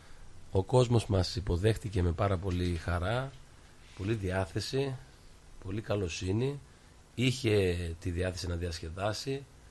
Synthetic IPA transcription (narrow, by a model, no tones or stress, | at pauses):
o̞ko̞zmo̞zmɐsipo̞ðe̞xt̪ice̞me̞pɐɾɐpo̞lixɐɾɐ | po̞liðiɐθe̞si | po̞likɐlo̞sini | içe̞t̪iðiɐθe̞sinɐðiɐsce̞ðɐsi